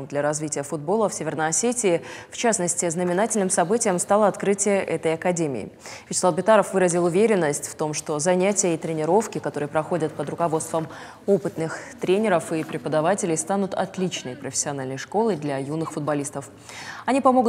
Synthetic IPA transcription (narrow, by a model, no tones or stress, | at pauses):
d̪lʲɐɾɐzvʲitʲɪjəfʊd̪̚bo̞lˠəfsʲevʲɪrnəjɐsʲetʲɪɪft͡ɕasnəsʲtʲɪznəmʲɪnatʲɪlʲnɨmsɐbɨtʲɪjəmst̪alˠəɐt̪kɾɨtʲɪjəʔɛt̪əjɐkɐdʲemʲɪ̰ɪ̰ | vʲɪt͡ɕɪ̥slˠalbʲɪt̪aɾəfvɨɾəzʲɪlˠʊvʲeɾʲɪnːəsʲtʲft̪o̞mʂt̪o̞zɐnʲætʲɪjəit̪ɾʲɪnʲɪɾo̞fkʲɪkɐt̪o̞ɾɨjəpɾɐxo̞dʲət̪̚pəd̪ɾʊkɐvo̞t̪st̪vəm | opɨt̪nɨxt̪ɾʲenʲɪɾəfɨpɾʲɪpəd̪ɐvatʲɪlʲɪjst̪anʊt̪ɐ̰t̪lʲit͡ɕnəjpɾəfʲɪ̥sʲːɪɐnalʲnəjʂko̞lˠɨjd̪lʲɐjunːɨxfʊd̪̚bɐlʲist̪əf | ɐnʲipɐmoɡʊ